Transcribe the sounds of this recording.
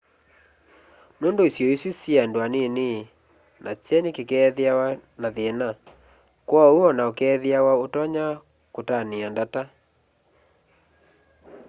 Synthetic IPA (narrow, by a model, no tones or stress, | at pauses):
noːndoisjɔisisiandwanene | nat͡ʃɛnekekɛðeawanaðena | kwauɔnaokɛðjawaotɔɲa | kotaneandata